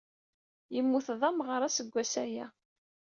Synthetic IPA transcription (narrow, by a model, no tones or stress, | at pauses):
jəmːuθðˤɑmʁəɾˤæsəɡʷːæsæjæ